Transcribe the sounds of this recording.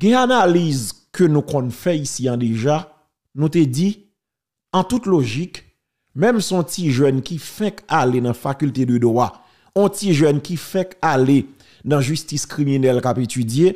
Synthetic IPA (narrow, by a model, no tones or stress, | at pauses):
ɡɛ̃analizkønũkɔ̃nfɛisiãd̪eʒa | nũt̪ed͡zi | ãt̪ut̪loʒik | mɛ̃msɔ̃tiʒɛnkifɛ̃kalenãfakylt̪edød̪wa | õtiʒœnkifɛ̃kale | nãʒystiskʁiminɛlkapetyd͡zje